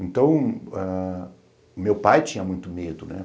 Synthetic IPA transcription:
ẽnt̪ɐ̃w̃a | ʊmewpajt͡ʃĩɲɐmũj̃t̪ʊmed̪ʊnɛ̰

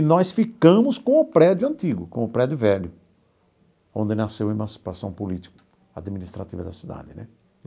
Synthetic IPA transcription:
nɔsfikɐ̃mʊskõʊpɾɛd̪jʊɐ̃nt̪iɡʊkõʊpɾɛd̪jʊvɛʎjʊ | õ̰nd̪ɪnasewemɐ̃si̥pasɐ̃w̃polit̪i̥kʊ̥ | a̰d̪minist̪ɾat̪ivɐd̪ɐsid̪a̰d̪ɪnɛ̰

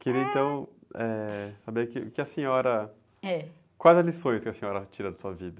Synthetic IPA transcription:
keɾiɐẽnt̪ɐ̃w̃ɛsabeɾkɪkɪɐsẽɲɔɾɐ | ɛ | kwajzɐlisõj̃skɪɐsẽɲɔɾɐt͡ʃiɾɐd̪ɐsuɐvid̪ɐ

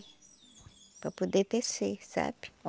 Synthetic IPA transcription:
papud̪et̪ɛsesa̰p

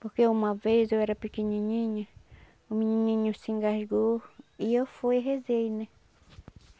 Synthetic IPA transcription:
poɾkeumavezewɛɾapikiɲĩɲĩɲa | omĩɲĩɲĩɲũsĩŋɡaʒɡoiefojɦezejnẽ

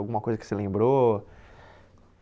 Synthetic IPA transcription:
wɡũmɐkojzɐkɪ̥selẽmbɾo

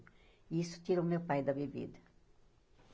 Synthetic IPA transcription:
iisʊ̥t̪iɾɐʊmewpajd̪ɐbebḭd̪ɐ

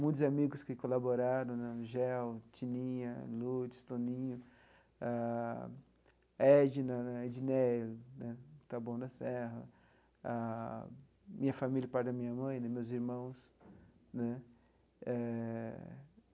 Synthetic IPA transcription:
mũj̃t̪ʊzamiɡʊskɪkolaboɾaɾɐ̃w̃nɛʒɛwt͡ʃinĩɲɐlud͡ʒɪst̪õnĩɲʊ | a | ɛd͡ʒinɐnɛed͡ʒinelnɛt̪abõw̃d̪ɐsɛɦɐ̰ | a | mĩɲɐfamilʲjɐpajd̪ɐmĩɲɐmɐ̃j̃nɛ̃mewziɾmɐ̃w̃s | nɛ | ɛ

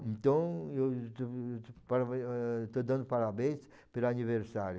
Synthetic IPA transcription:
ẽnt̪ɐ̃ew | paɾat̪ɔd̪ɐ̃nd̪upaɾabɛ̃s | peɾaniveɾsaɾju

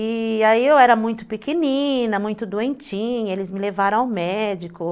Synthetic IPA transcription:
iaiewɛɾɐmũj̃t̪ʊ̥pikenĩnɐmũj̃t̪ʊd̪uẽnt͡ʃĩelɪzmɪlevaɾɐ̃aʊmɛd͡ʒikʊ

